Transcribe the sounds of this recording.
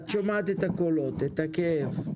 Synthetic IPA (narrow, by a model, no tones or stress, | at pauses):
t̪ʃomat̪et̪akolot̪et̪hakeev